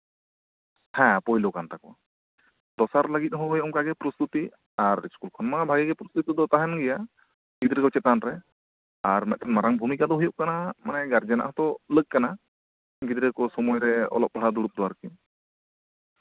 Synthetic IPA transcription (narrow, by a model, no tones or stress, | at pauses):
hɛ̃pɔɦilokant̪akɔ̰ | d̪ɔsaɾləɡit̪̚ɦɔjɔŋkaɡɛpɾɔst̪ut̪i | aɾḭskulkʰɔnmabʱaɡɛɡɛpɾɔst̪ut̪id̪ɔt̪aɦɛnɡɛja | ɡid̪ɾəkɔt͡ʃɛt̪anɾɛ | aɾmɛc̪̚t̪ʰanmaɾaŋbʱumikad̪ɔɦujɔʔ̚kanamanɛɡaɾd͡ʒɛna̰ʔɦɔt̪ɔlək̚kːana | ɡid̪ɾəkɔsɔmɔjɾɛɔ̰lɔp̚bʱaɽad̪uɽup̚d̪ɔwaɾki